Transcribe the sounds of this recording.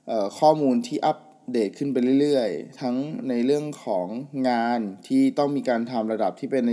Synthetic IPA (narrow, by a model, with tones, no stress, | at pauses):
ʔɤː˨˩kʰɔː˥˩muː˧nt̪ʰiː˥˩ʔa˦˥p̚ | deː˨˩t̪̚kʰɯ˥˩npa˧jlɯ˥˩˨jlɯ˥˩əjt̪ʰa˦˥ŋna˧jlɯ˥˩əŋkʰɔː˩˦ŋːaː˧nt̪ʰiː˥˩t̪ɔ˥˩ŋmiː˧kaː˧nt̪ʰa˧mɾa˧da˨˩p̚t̪ʰiː˥˩pe˧nː˧